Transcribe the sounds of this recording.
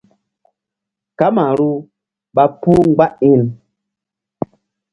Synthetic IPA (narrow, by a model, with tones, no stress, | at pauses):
ka˦ma˨ɾu˦ | ɓa˦pu˦ŋ̩˦ɡ͡ba˦ʔi˦˨n